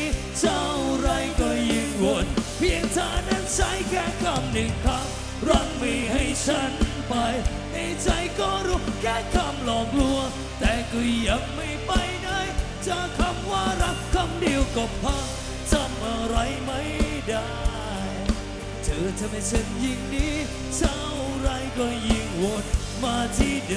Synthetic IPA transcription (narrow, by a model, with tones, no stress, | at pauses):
t͡ɕa˧˩wɾa˧˩jkɔː˧˩ji˧˩ŋwo˨˩npʰi˧əŋt̪ʰaː˧˩na˧˥˩nt͡ɕʰa˦˧˥jkʰɛː˧˥˩kʰa˧mnɯ˨˩ŋkʰa˧˥m | ɾɔ˧˥ŋ̚mi˧˩ha˥˩jt͡ɕʰa˦˧˥n | pa˧j | t̪a˧˩jt͡ɕa˧jkɔː˧˩ɾu˦˥kʰɛː˧˥˩kʰa˧˩mlɔː˨˩ŋlu˧ə | t̪ɛː˨˩kɯ˧ja˨˩k̚ma˧˩jpa˧jna˧˥˩j | t͡ɕa˧kʰa˧˩mwaː˧ɾa˦˥kʰːa˧mdi˧əwkɔ˨˩p̚pʰa˧˥ŋ | sa˧˩mʔaː˨˧˩ɾa˧jma˦˥j | daː˧ | jj | tʰɯː˨˦t͡ɕa˧˩ma˧˩sʰə˧˥nji˧ŋdiː˧˥ | sa˧˥wɾa˧jkɔː˧˩ji˧˩ŋwo˨˩n | maː˧t̪ʰiː˧˩d